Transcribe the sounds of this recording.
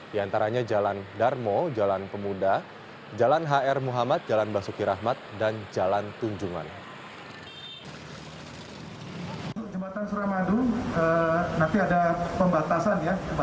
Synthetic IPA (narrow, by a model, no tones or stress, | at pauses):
d̥iant̪aɾaɲad͡ʒalandarmod͡ʒalanpəmuda | d͡ʒalanɦaɛrmuɦamat̪̚d͡ʒalanbasukiɾaɦmat̪̚dand͡ʒalant̪uɲd͡ʒuŋa̰n | uut̪ʊk̚d͡ʒəmat̪ansuɾamadʊŋənant̪iadapəmbat̪asanja